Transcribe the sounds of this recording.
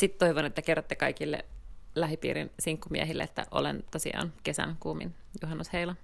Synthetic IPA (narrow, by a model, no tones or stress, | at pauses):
sit̪t̪oiʋonet̪ːækerːot̪ːekɑikilːḛlæɦipḭːɾḭnsiŋkːumḭæɦilːḛet̪ːæ̰ʔo̰lent̪osḭɑ̰ːnkesæ̰nkuːmḭnjuɦɑnːusheilɑ